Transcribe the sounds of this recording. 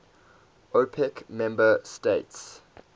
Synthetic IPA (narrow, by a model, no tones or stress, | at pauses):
opʰɛkmɛ̃mbəstets